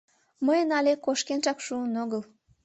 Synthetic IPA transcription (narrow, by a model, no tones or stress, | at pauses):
məjənɑlʲekoʃkenʒɑkʃuənoɣəl